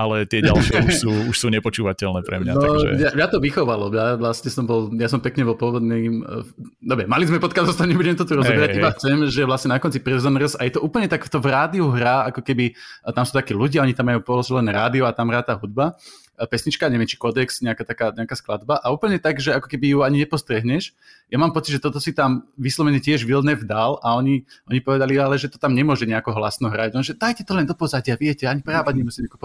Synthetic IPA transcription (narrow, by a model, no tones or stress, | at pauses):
alɛt̪ɪɛɟa̰ʃɪɛuʃsuːuʃsuːɲɛpɔt͡ʃuːʋacɛlnɛːpɾɛ̰mnɲat̪ɔaɛ̰jajat̪ɔʋixɔʋalɔmjaʋlasɲɛsɔmbɔljasɔmpɛkɲɛbɔlpɔʋɔd̪niːm | d̪ɔbɾɛmalizmɛpɔt̪̚kazɔst̪aɲɛbuɟɛmt̪ɔt̪uɾɔzɔbɛɾaibaxt͡sɛmʒɛʋlasɲɛnakɔnt͡sipɾɛzɔnɾsajɛt̪ɔʔuːpl̩ɲɛt̪aɡft̪ɔvɾaːd̪iuɦɾaːakɔkɛbit̪amsuːt̪akɛːluɟaɔɲit̪amːajuːpɔlɔsilɛnɾa̰ːd̪iɔat̪amɦɾaːt̪aːɦud̪̚ba | pɛsɲit͡ʃkaɲɛʋɪɛmt͡ʃi̥kɔd̪ɛksɲɛakat̪akaːɲɛakaːsklad̪baʔauːpl̩ɲɛt̪aɡʒɛakɔ̥kɛbijuaɲiɲɛpɔst̪ɾɛɦɲɛʃ | jamaːmpɔt͡sid̪ʒɛt̪ɔt̪ɔsit̪amʋislɔʋɛɲɛcɪɛʒʋilnɛvd̪alaɔɲiɔɲipɔʋɛd̪alialɛʒɛt̪ɔ̥t̪amɲɛmʊɔʒɛɲɛakɔɦlasnɔɦɾaɟlɔnʒɛd̪ajcɛt̪ɔlɛnd̪ɔpɔzaɟɪaʋɪɛcɛaɲipɾaːʋaɲɛmusimɲɛakup